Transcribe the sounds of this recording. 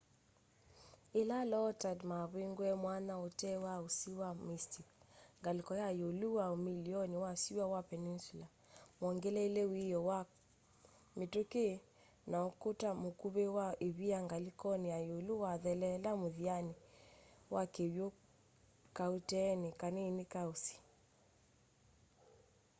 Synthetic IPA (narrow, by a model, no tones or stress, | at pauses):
elalɔtadmaβweŋɡwɛmwanaotɛwaosiwamistiŋɡalikɔjajoluwaomiliɔniwasiwawapɛninsula | mɔŋɡɛlɛilewijɔwa | mituke | naɔkutamukuβewaeβiaŋɡalikɔniajoluwaðɛlɛlamuðiani | wʔakeβjo | kautɛnikaninikausi̥